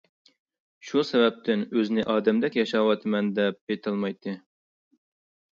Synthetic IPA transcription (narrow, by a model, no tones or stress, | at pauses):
ʃusɛvɛp̚t̪ʰɪnøznɪʔɑːd̪ɛmd̪ɛkʲjɑʃɑwɑt̪ʰɨmɛnd̪ɛp̚bet̪ʰɨlˠmɑjt̪ʰːɨ